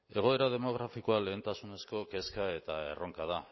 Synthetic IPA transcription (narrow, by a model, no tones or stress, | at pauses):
e̞ɣ̞o̞e̞ɾað̞e̞mo̞ɣ̞ɾafikoale̞ːnt̪asune̞sko̞ke̞skae̞t̪ae̞̰ro̞ŋkað̞a